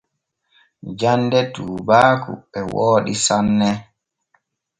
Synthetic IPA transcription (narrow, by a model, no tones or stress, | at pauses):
d͡ʒandɛtuːbaːkṵɛwoːɗisanːɛ